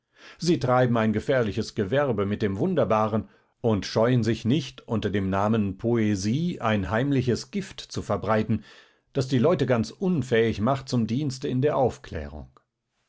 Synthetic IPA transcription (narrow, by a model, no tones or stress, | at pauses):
ziːtʁ̥aɪbm̩aɪnɡəfɛːɐlɪçəsɡ̥əvɛɐbəmɪt̚d̥eːmvʊndɐbaːʁən | ʔʊntʃɔʏənzɪçnɪçtʔʊntɐdeːmnaːmənpʰoeziːʔa̰ɪnɦaɪmlɪçəsɡ̥ɪftt͡sufɛɐbʁaɪtn̩ | d̥asd̥iːlɔʏtəɡant͡sʔʊnfɛːɪçmaχt̚t͡sʊmdiːnstəɪndeːɐʔaʊfkl̥ɛ̰ːʁ̞ʊ̰ŋ